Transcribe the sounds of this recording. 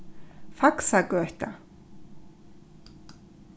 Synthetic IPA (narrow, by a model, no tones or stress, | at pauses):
faksakœœht̪a